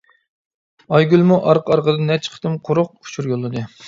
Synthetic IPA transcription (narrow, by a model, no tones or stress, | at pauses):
ɑjɡʲylˠmuʔɑɾqʰəɑɾqəd̪ɨnɛt͡ʃʰə̥qʰt̪ɨmqʰoɾʊq̚u̥t͡ʃʰuɾjolˠːɨd̪ɨ